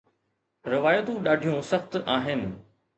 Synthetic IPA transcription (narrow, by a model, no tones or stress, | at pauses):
ɾɪʋaːjət̪ũɗaːɖʱijõsɐxt̪aːɦɪnɪ̆